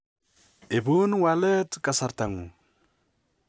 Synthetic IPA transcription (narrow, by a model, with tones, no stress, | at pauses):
e˨bu˦nwale˦tkasa˨ɾta˨ŋu˨